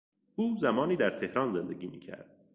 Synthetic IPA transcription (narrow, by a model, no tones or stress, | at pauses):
uːzæmɒːniːd̪æɾt̪ʰe̞hɾɒːnze̞nd̪eɡiːmḭːcʰæ̰ɾd̪̥